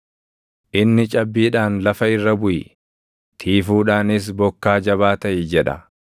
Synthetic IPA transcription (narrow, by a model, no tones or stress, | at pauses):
ʔɪnːɪt͡ʃʼɐbːiːᶑaːnlɐfɐɪrːɐbʊjɪ̰ | t̪ʰiːfuːᶑaːnɪs̬bɔkːaːd͡ʒɐβaːt̪ɐʔɪd͡ʒɛᶑɐ̰